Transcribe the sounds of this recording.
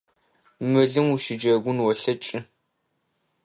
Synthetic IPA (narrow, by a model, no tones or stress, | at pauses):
mɨɮɨmuʃɪd͡ʒɐɡʷʊnwɔɬɐt͡ʃʼɪ